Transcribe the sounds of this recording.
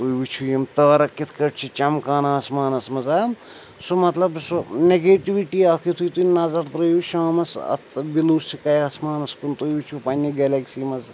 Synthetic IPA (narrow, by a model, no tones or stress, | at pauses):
t̪ujʋit͡ʃʰujɐmt̪ɐːɾɐkːit̪ʰkɐʈt͡ʃʰit͡ʃɐmkaːnaːsmaːnɐsmɐzaː | sumɐt̪lɐbsuneɡeːʈiʋiʈiːaːkʰit̪ʰujt̪unɐzɐɾt̪ɾɐjuʃaːmɐsɐ̰t̪ʰbiluːst͡ʃikɐjasmaːnɐskunt̪ujʋit͡ʃʰupɐnʲːiɡelɐksiːmɐz